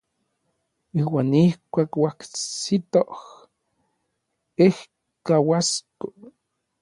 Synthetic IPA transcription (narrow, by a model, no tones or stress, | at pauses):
iːwaːnihkʷaːkwaksit̪oh | eh | kawasko